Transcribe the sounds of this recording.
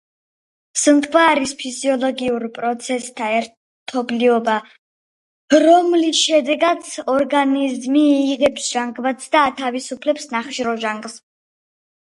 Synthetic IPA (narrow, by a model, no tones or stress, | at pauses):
sənt̪kʰvaːɾispʰiziɔlˠɔɡiuɾpʼɾɔt̪sʰɛst̪ʰaɛɾ | t̪ʰɔbliɔba | ɾɔmlisʃɛd̪ɛɡat̪sʰɔɾɡanizmiːʁɛpsʒ̥aŋɡvat̪sʰd̪aːt̪ʰavisupʰlɛpsnaχʃɾɔʒaŋɡs